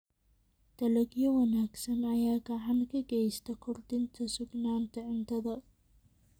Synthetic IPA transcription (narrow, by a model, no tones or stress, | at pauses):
d̪̥ɐlɐɡjɔwɐnaːɡsɐnɐjaːɡɐʕankʰɐɡɛjst̪ʰɐkʰʊrd̪ɪnt̪ʰɐsʊɡnaːnt̪ʰɐʕɪnt̪ʰɐðɐ